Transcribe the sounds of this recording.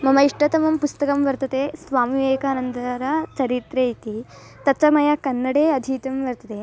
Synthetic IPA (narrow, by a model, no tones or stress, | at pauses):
mɐmɐiʂʈɐt̪ɐmɐmpust̪ɐkɐmʋɐɾt̪ɐt̪eːsʋaːmiʋeːkaːnɐnd̪ɾɐt͡ʃɐɾit̪ɾeːit̪i | t̪ɐt͡ʃɐmɐjɐkɐnːɐɽeːɐd̪ʱiːt̪ɐmʋɐɾt̪ɐt̪eː